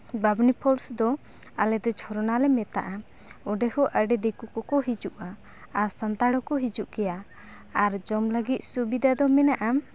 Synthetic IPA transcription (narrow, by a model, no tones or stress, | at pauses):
babnipʰɔlsd̪ɔ | alɛd̪ɔt͡ʃʰɔɾɔnalɛmɛt̪a̰ʔa | ɔɖɛhɔʔəɖɛd̪ekukɔkɔɦid͡ʒuʔaː | ɾsant̪aɽɔkɔɦid͡ʒuʔkɛjaː | ɾd͡ʒɔmləɡit̪̚ˀsubid̪ʱad̪ɔmɛnaʔa